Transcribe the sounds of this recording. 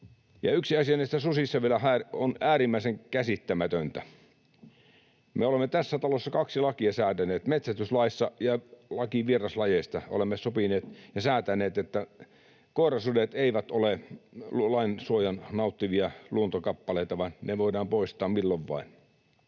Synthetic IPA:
jɑ̰yksiɑsiɑnist̪æsusisːɑʋielæhæːronæːɾimːæiseŋkæsit̪ːæmæt̪ønt̪æ | meolemːet̪æsːæt̪ɑlosːɑkɑksilɑkiɑsæːt̪æneːt̪met̪sæst̪yslɑisːɑjɑlɑkiʋierɑslɑjest̪ɑo̰lemːesopineːt̪jɑsæːt̪ænˑeːt̪et̪ːæ | koˑerɑsudet̪eiʋæt̪ole | lɑinsuojɑnnɑˑut̪ːiʋiɑluont̪okɑpːɑleˑit̪ɑʋɑnneʋoidɑːmpoˑist̪ˑɑːmmilːoʋʋɑ̰in

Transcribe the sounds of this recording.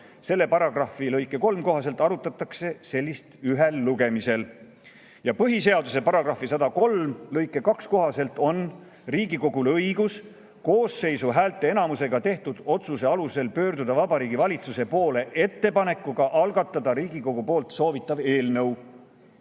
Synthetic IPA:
se̞lːe̞pɑɾɑɡ̥rɑfilɤjkːˑe̞ko̞lmko̞ɦɑs̬e̞lt̪ːˑɑɾut̪ːˑɑt̪ːˑɑkse̞se̞lʲːist̪yɦe̞lːuɡ̥e̞mise̞l | jɑpɤɦise̞ɑd̪use̞pɑɾɑɡ̥rɑfːisɑd̪ɑko̞lmlɤjkːˑe̞kɑksko̞ɦɑse̞lt̪ˑo̞n | riːɡiko̞ɡ̥ulɤjɡ̥us | ko̞ːsːe̞jsuɦæːlt̪ːˑe̞e̞nɑmuse̞ɡ̥ɑt̪e̞ht̪ud̪̥o̞t̪suse̞ɑluse̞lpø̞ːrd̪ud̪ɑvɑbɑɾiːɡivɑlʲit̪suse̞po̞ːle̞ʔe̞t̪ːe̞pɑne̞kːˑuɡ̥ɑʔɑlɡɑt̪ːˑɑd̪̥ɑɾiːɡiko̞ɡ̥upo̞ːlt̪so̞ːvit̪ːˑɑve̞ːlnɤw

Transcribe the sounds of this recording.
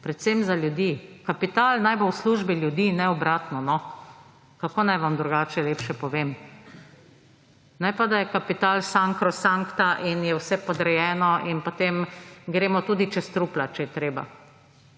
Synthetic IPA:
pɾɛt̪semzaljud̪iːkapit̪aːlnajbowsluʒbiljud̪iːnɛɔbɾaːt̪nɔnɔ | kakoːnajʋamd̪ɾuɡaːt͡ʃɛleːpʃɛpɔʋem | najpad̪ajɛkapit̪aːlsaŋkɾɔsaŋkt̪aʔinjɛwsɛpɔd̪ɾɛjɛːnɔʔinpot̪emɡɾeːmɔt̪ud̪it͡ʃɛst̪ɾuːplat͡ʃɛjɛt̪ɾeːba̰

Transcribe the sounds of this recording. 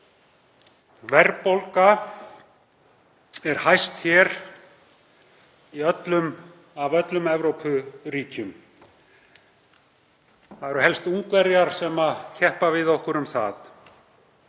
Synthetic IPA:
vɛɾpowlka | ɛɾ̥hajst̪çɛɾ̥ | iœt̪lʏm | avœt̪lʏmɛvɾowpʰʏɾiːcʏm | θaðɛɾʏɦɛlst̪uŋkvɛɾjaɾ̥sɛmaðcʰɛhpavɪðohkʏɾʏmθa̰ð

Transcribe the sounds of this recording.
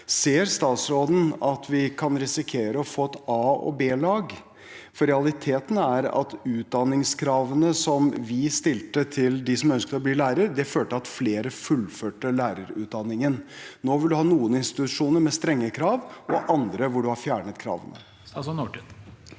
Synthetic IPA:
seːəɾst̪ɑːt̪sɾoːd̪n̩ɑt̪ʰʋɪkʰɑnɾɛsɪkʰeːɾəɔfoːɛt̪ɑːɔ̰beːlɑːɡ | fɔɾɛɑlɪt̪ʰeːt̪ənæɾɑ̰t̪ʉːt̪̚d̪ɑnːɪŋskʰɾɑːʋənəsɔmʋɪst̪ɪlt̪ət̪ʰɪld̪ɪsɔmœnskət̪əɔbliːlæːɾəɾd̪ɛføːʈəɑt̪fleːɾəfʉlføːʈəlæːɾəɾʉ̰ːt̪̚d̪ɑnːɪŋənnoːʋɪld̪ʉhɑːnuːənɪnst̪ɪtɪt̪ʉʂuːnəɾmɛst̪ɾɛŋːəkʰɾɑːʋʔɔʔɑnd̪ɾəʋʊɖʉhɑɾfjæːɳət̪kʰɾɑ̰ːʋə̰nə̰

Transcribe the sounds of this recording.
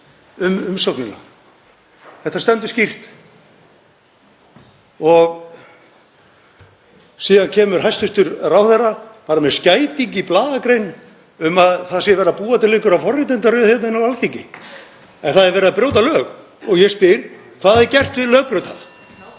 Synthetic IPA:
ʏmʏmsɔknɪna̰ | θɛht̪ːast̪ɛnt̪ʏscir̥t̪ | ɔɣ | siːðancʰɛːmʏɾ̥hɦajst̪ʏst̪ʏɾraːwθɛrːapaːɾamɛðscaːjt̪iɲciplaːðakɾejn | ʏmaðθaðsjɛvɛːɾðapuːat̪ʰɪlːɪːhkʏɾafɔrːɪt̪ɛnt̪aɾʏðθɛt̪naɪnawalθiɲcɪ̰ | ɛnθaðɛɾvɛːɾɪðapɾjoːwt̪alœːɣ | ɔɣjɛspɪɾ̥ | kʰvaðaðɪcɛr̥t̪vɪlœːɣpɾʏt̪a̰

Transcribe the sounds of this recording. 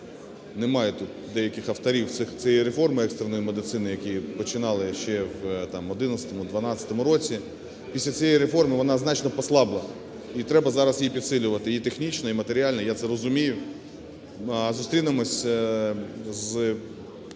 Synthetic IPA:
nemɑjɛt̪ut̪̚d̪ɛjɐkɪxɐft̪ɐɾʲiwt̪sɪxt͡sʲijɛiɾefɔrmɨɛkst̪ernɔjimed̪ɪt̪sɪnɪjɐkʲijpɔt͡ʃɪnɑlˠɪʃt͡ʃɛwt̪ɑmɔd̪ɪnɐt̪t͡sʲɐ̥t̪ɔmʊd̪ʋɐnɑt͡sʲɐ̥t̪ɔmʊɾɔt͡sʲi | pʲisʲlʲɐt͡sʲijɛjɾefɔrmɪʋɔnɑznɑt͡ʃnɔpɔslˠɑblˠɪɐ | it̪ɾɛbɐzɑɾɐsjipʲid̪sɪlʲʊʋɐt̪ɪit̪exnʲit͡ʃnɔimɐt̪eɾʲiɑlʲnjat̪sɛɾɔzʊmʲijʊ | zʊst̪ɾʲinɪmɔsʲ | z

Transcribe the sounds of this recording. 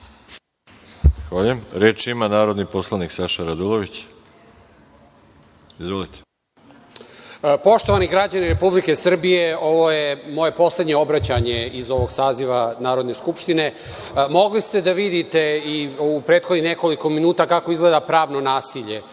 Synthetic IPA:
xʋaʎujemɾeːt͡ʃimanaːɾo̞d̪niposlˠaniksaʃaɾad̪ulˠoʋit͡ɕ | izʋolit̪e̥ | po̞ʃt̪oʋaniɡɾad͡ʑaniɾe̞publike̞sr̩bije̞o̞ʋo̞jemo̞je̞po̞sle̞d̪ɲeo̞bɾat͡ɕaɲe̞izo̞ʋo̞ɡsaːziʋanaːɾo̞d̪ne̞skupʃt̪ine̞ | mo̞ɡlist̪e̞d̪aʋid̪it̪e̞iupɾeːt̪xo̞d̪nixne̞kolikominuːt̪akako̞izɡle̞d̪apɾaːʋno̞naːsiʎe̞

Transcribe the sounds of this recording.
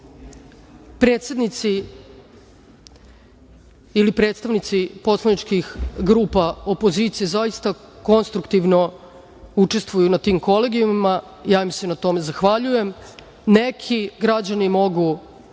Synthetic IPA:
pɾe̞ːt̪sʲe̞d̪nit̪si | ilipɾet̪st̪aʋnit̪sipo̞slˠanit͡ʃkixɡɾuːpaopoziːt̪sijezajist̪ako̞nst̪ɾukt̪iʋno̞ | ut͡ʂe̞st̪ʋujunat̪iːmko̞leɡiumima | jaːimsenat̪o̞me̞zaxʋaʎuje̞m | ne̞kʰiɡɾad͡ʑanimo̞ɡu

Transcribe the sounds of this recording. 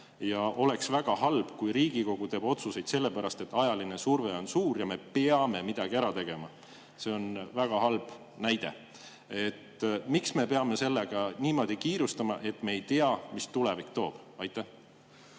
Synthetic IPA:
jɑʔo̞le̞ksvæɡ̥ɑhɑlb̥kujɾiːɡ̥iko̞ɡ̥ut̪e̞ːb̥o̞t̪suse̞jd̪se̞lːe̞pæɾɑst̪e̞t̪ːˑɑjɑline̞surve̞o̞nsuːrjɑme̞peɑme̞mid̪̥ɑɡ̥iæɾɑt̪e̞ɡ̥e̞mɑ | se̞onvæɡ̥ɑhɑlb̥ | næjd̪̥e̞̰ | e̞t̪ːmiksme̞pe̞ɑme̞se̞lːeɡ̥ɑniːmo̞ːd̪̥ʲikiːɾust̪ɑmɑ̰ʔe̞t̪ːme̞ːjt̪eɑmist̪ulevikt̪o̞ːb̥ɑjt̪ːˑeh

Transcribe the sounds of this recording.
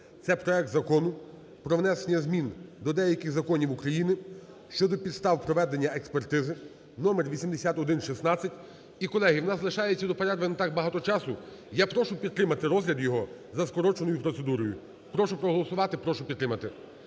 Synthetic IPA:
t̪sɛpɾɔɛk̚t̪zɐkɔnʊ | pɾɔʋnɛsenʲɐzmʲind̪ɔd̪ɛjɐkʲɪxzɐkɔnʲiwukɾɐjinɪ | ʃt͡ʃɔd̪ɔpʲid̪st̪ɑwpɾɔʋɛd̪enʲːɐekspert̪ɪzɪ | nɔmerʋʲisʲimd̪esʲat̪ɔd̪ɪnʃisnɑt͡sʲːɐtʲ | ikɔlˠɛɦɪwnɑzɐlˠɪʃɑjet͡sʲːɐd̪ɔpeɾɛd̪ʋɪnɐt̪ɑk̚bɐɦɑt̪ɔt͡ʃɑsʊ | japɾɔʃʊpʲid̪̚t̪ːɾɪmɐt̪ɪɾɔzɦlʲɐd̪jɔɦɔ | zɐskɔɾɔt͡ʃenɔjʊpɾɔt̪se̞d̪uɾɔjʊ̰ | pɾɔʃʊpɾɔɦɔlˠɔsʊʋɑt̪ɪpɾɔʃʊpʲid̪t̪ːɾɪmɐt̪ɪ

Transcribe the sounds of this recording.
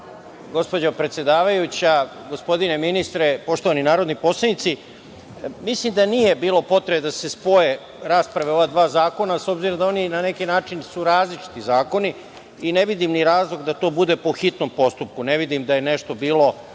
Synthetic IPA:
ɡo̞spo̞d͡ʑopɾet̪sʲje̞d̪aːʋajut͡ɕa | ɡo̞spo̞d̪ine̞minist̪ɾepo̞ʃt̪o̞ʋaninaːɾo̞d̪nipo̞slˠenit̪si | mislimd̪anije̞biːlˠo̞po̞t̪ɾebed̪ase̞spo̞je̞ | ɾaːspɾaʋeo̞ʋad̪ʋaːzaːko̞naso̞bziɾo̞md̪ao̞ninane̞kinaːt͡ʃinsuɾaːzlit͡ʃi̥t̪izaːko̞ni | ine̞ʋid̪imniɾaːzlˠo̞ɡd̪at̪o̞ːbud̪e̞poxit̪no̞mpo̞st̪up̚kune̞ʋid̪imd̪aje̞ne̞ʃt̪o̞biːlo̞

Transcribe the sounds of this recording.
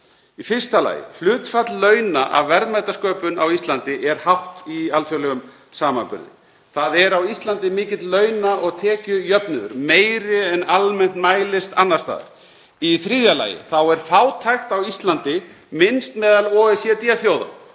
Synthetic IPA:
ifɪr̥st̪ala̰ːjɪ̰l̥ʏːt̪fat̪llœːɥnaʔa̰vvɛɾðmajt̪askœːpʏnawist̪lant̪ɪʔɛɾ̥haht̪ialt̪ʰjəlɛɣʏm | saːma̰mpʏ̰ɾðɪ̰ | θaðɛɾawist̪lant̪ɪmɪːcɪt̪lœːɥnaʔɔɣt̪ʰɛːcʏjœpnʏðʏ̰ɾmeːjɾɪɛnalmɛn̥t̪maːjlɪst̪anːaɾst̪a̰ːðʏ̰ɾ̥ | iθɾiːðjala̰ːjɪ̰θawɛɾ̥faːwt̪ʰajxt̪awist̪lant̪ɪ | mɪnst̪mɛːðalɔːɛsjɛt̪iaθjoːwða̰

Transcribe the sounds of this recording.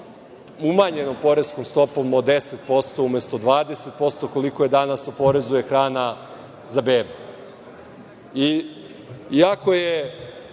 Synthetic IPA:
umaɲe̞no̞mpo̞ɾe̞skomst̪o̞po̞mod̪eset̪̚po̞st̪o̞ume̞st̪o̞d̪ʋaːd̪e̞set̪̚po̞st̪oko̞liko̞je̞d̪anasopo̞ɾezuje̞xɾaːna | zabeːbu | i | iako̞je

